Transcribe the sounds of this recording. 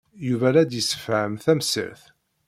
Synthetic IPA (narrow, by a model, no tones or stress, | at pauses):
juvæɾæd̪jəsːə̥fʕəmθæmsə̰ɾθ